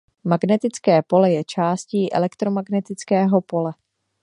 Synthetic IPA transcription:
maɡnɛt̪ɪt͡skɛːpo̞lɛjɛt͡ʃaːsciːʔɛ̰lɛkt̪ɾo̞maɡnɛt̪ɪt͡skɛːɦo̞po̞lɛ

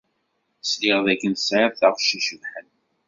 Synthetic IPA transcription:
slɪʁðækːənt̪əsʕeðˤθaʁʃiʃəlħən

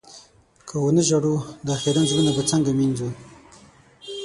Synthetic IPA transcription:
kʰawonəʒaɽud̪xeɾanzlunabat͡səŋɡaminzu

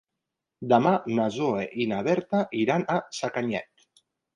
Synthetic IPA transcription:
d̪amanazoeʔinaβeɾt̪aʔiɾanasakaɲa̰t̪

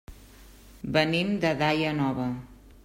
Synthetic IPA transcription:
bənimd̪əðajənɔβə

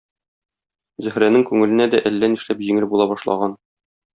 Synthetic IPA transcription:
zɵ̆hɾænɘŋkʉŋɘ̆lɘ̆næd̪æʔælːæniʃlæpʑɘ̆ŋɘ̆lbulˠɑbɒʃlˠɑ̰ʁɑn

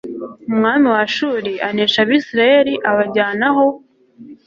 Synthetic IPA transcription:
umŋaːmiwaʃuːɾeʔaneːʃaβiːsiɾajeɾiʔaβaɟaːnaɦo̞

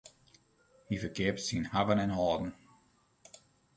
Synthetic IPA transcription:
hifəkɪːp̚tsinhavənɛnɔːdn̩

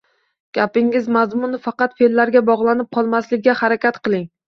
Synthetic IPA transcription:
ɡ̥ʲapɪŋɪzmazmʊnɪfɑqɑt̪felːaɾɡʲabɒʁlˠanɪp̚qʰɒlˠmaslɪk̚ʲɡʲahaɾakʲʰat̪qɨlˠɪŋ

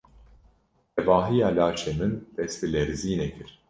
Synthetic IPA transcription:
ɛvaːɦialʲaːt͡ʃʰeminb̪ɛslilʲeɾiziːnekʰiɾ̥

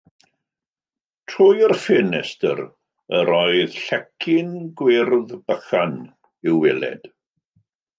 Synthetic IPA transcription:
tʰrʊjərfɪnɛstəɾ | əɾɔɨðɬɛkʰɪnɡwɪrðb̥əχan | ɪwwɛlˠɛ̰d̥

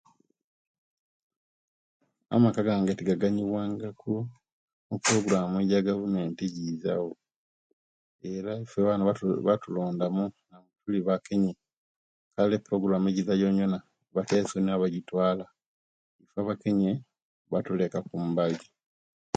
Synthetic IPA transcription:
a̰makaɡaːŋɡatiɡaɡaɲiβwaːŋɡaku | mupuɾo̞ɡuɾamueɟaɡavume̞ːnteɟizawo | e̞ɾaefeβanaββatulo̞ːndamunaŋotuliβake̞ɲe | kalepːuɾo̞ɡuɾameɟizajoɲona | βatesoniaβaɟitwaːla | ifaːβake̞ɲe | βatule̞kakumbali

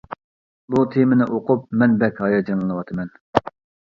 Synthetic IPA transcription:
but̪ʰemɪnɪʔoqʰʊp̚mɛnbɛkʲhɑjɑd͡ʒɑŋlɨlˠɨwɑt̪ʰɨmɛn

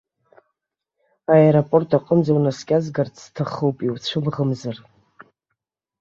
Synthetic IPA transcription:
aeɾopʼo̞rtʰʼaqʼəmd͡zawnaskʲʼazɡartʰaχəwpʼiwt͡ɕʷʰʊbʁəmzar

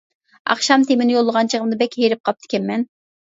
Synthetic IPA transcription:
ɑ̰χʃɑmt̪ʰemɪnɪjolˠːəʁɑnt͡ʃʰəʁəmd̪ɨbɛkʲɦeɾɪp̚qʰɑp̚t̪ʰɪ̥kʲɛnmɛn

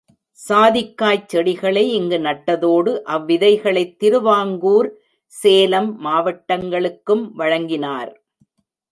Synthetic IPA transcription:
saːðɪkːaːjt͡ʃːɛɽɪɣɐɭɐɪɪŋɡɯnɐʈːɐðoːɽɯʔɐʋːɪðɐɪɣɐɭɐɪt̪ːɪɾɯʋaːŋɡuːɾ | seːlɐmːaːʋɐʈːɐŋɡɐɭɯkːɯmʋɐɻɐŋɡɪnaːɾ

